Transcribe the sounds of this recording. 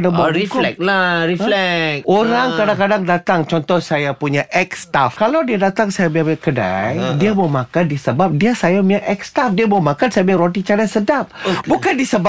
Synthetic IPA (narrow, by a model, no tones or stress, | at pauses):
daŋbaifklɛk̚laɾiflɛkʔoɾaŋkadaŋkadaŋdat̪aŋt͡ʃɔnt̪ɔhsajapuɲaʔɛkst̪afkalawdiadat̪aŋsajabamakəda̰jdiaməmakandisəbap̚diasajamuɲaʔɛk̚st̪afdiamomãkansajabəaɾot̪̬it͡ʃanasədap̚bukandisəb